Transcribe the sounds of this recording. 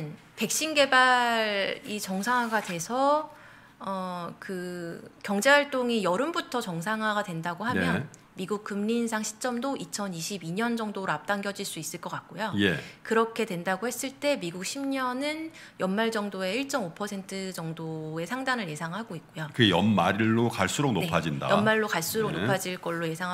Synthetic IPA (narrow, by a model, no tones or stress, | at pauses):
n | pe̞k̚ɕ͈inɡe̞baɾit͡ɕʌŋsʰaŋɦwaɡadwe̞sʰʌ | ʌkɯkjʌŋd͡ʑe̞ɦwaɭt͈oŋijʌɾɯmbutʰʌt͡ɕʌŋsʰaŋɦaɡadwe̞ndaɡoɦamjʌn | miɡuk̚k͈ɯmɲinsʰaŋɕʰi̥t͡ɕ͈ʌmdoʔit͡ɕʰʌniɕʰibiɲʌnd͡ʑʌŋdoɾoap̚t͈aŋɡjʌd͡ʑiɭs͈uis͈ɯɭk͈ʌk͈ak̚k͈ojojḛkɯɾʌkʰe̞dwe̞ndaɡohe̞s͈ɯɭt͈e̞miɡuk̚ɕʰimɲʌnɯn | jʌnmaɭd͡ʑʌŋdoe̞iɭt͡ɕ͈ʌmopʰʌsʰe̞ntʰɯd͡ʑʌŋdoe̞sʰaŋdanɯɭje̞sʰaŋɦaɡoik̚k͈ojokɯɡejʌ̰nmaɾiɭːokaɭs͈uɾok̚noepʰad͡ʑinda̰jʌmmaɭːokaɭs͈uɾok̚nopʰad͡ʑiɭk͈ʌɭːoje̞sʰaŋ